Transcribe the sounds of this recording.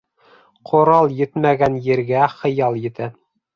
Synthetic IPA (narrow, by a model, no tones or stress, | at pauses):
qʰŏɾɑlˠjɘt̪mæɡænjɘ̆ɾɡæχɤ̆jɑlˠjɘ̆t̪æ